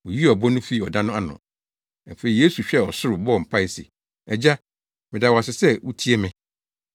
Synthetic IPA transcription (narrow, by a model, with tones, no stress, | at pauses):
wɔ˨ji˦ɔ˨bɔ˦nʊ̃˦fi˦˨ɔ˨dã˦nʊ̃˦a˦nʊ̰̃˨˦ | m̩˨fe˨i˨je˦su˨ɕᶣɛ˦˨ɔ˨sʊ˦ɾʊ˨bɔ˦ɔ˨m̩˨pʰa˦˨ɪ˨sḛ˨ | ɛ˨d͡ʑa˦ | mɪ̃˨da˨wa˨sɪ˨sɛ˦wu˦tʰi˦e˦mɪ̃˨